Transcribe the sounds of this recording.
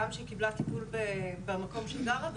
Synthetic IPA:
amʃeikiblat̪ipulbebamakomʃeɡamav

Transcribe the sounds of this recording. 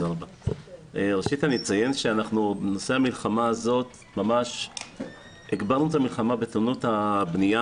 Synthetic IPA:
aʁaba | ʁeʃithanit͡saje̞nʃeanaχnubenoseamilχamaːzo̞t | mamaʃ | eɡbaʁnut̪amilχamabe̞t̪unuthabnija

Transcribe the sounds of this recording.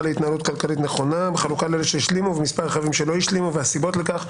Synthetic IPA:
leit̪naːlut̪kalkalit̪neχo̞nabeχalukaleleʃejiʃlimuvemispaʁeχavimʃe̞lo̞jiʃlimuveasibo̞tlekaχ

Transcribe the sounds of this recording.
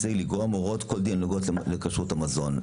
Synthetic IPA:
siɡliɡoamoʁotkold̪ianuɡotlekaʃuthamazo̞n

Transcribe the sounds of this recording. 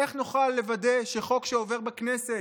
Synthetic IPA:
eχnuχalːe̞vade̞ʃe̞χo̞kʃeo̞ve̞ʁbaknese

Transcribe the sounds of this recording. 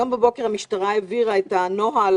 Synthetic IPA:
ambebo̞ke̞ʁhamiʃtaʁaeviʁaet̪anoɦal

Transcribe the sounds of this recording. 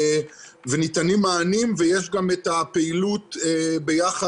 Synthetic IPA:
venitanimaːnimvejeʃɡametapeilut̪ebejaχa

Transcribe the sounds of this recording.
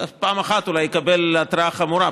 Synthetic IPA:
paʔmaxat̪ulajːekabelat̪ɾaaχamuɾa

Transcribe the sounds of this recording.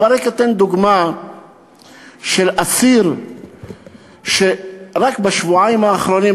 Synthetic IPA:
aɾeket̪end̪uɡma | ʃelʔasiɾ | ʃeɾakbaʃvuʕajimaːχɾoni

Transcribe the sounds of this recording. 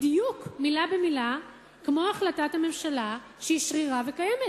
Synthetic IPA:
dijukmilabemila | kmo̞aχlatathame̞mʃala | ʃeiʃʁiʁavekajemet

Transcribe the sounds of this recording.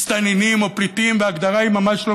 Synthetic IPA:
st̪aninimopɾit̪imveaɡd̪aɾaimamaʃlo

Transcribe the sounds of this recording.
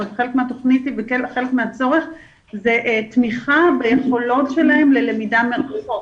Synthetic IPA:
tχelekmeato̞χnitivekelχelekmeat͡so̞ʁe̞χ | zeʔt̪miχabejeχo̞lo̞tʃelahemlelemidameʁχo

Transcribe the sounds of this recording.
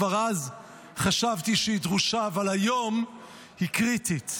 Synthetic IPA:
vaʁaz | χaʃavtiʃeidʁuʃavalhajo̞m | hikʁitit

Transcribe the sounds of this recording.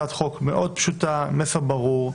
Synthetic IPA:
at̪χokmeʔod̪̚pʃut̪amefabaʁuʁ

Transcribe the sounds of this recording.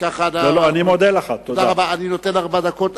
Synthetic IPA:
kaχanaloanimod̪elaχat̪ːod̪aaʁabaːnino̞t̪enaʁbad̪akot̪

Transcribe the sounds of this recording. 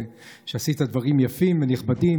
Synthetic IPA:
ʃeasit̪ad̪vaʁimjafimveniχbadi

